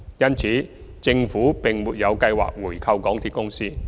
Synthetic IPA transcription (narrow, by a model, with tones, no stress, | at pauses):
jɐ˥nt͡sʰiː˨˥ | t͡sɪ˧ŋfuː˨˥pɪ˨˩ŋmuː˨t̚jɐ˨˧wkɐ˧jwa̰ː˨k̚wuː˨˩jkʰɐ˧wkɔː˨˥ŋt̪ʰiː˨t̚kʊ˥ŋsiː˥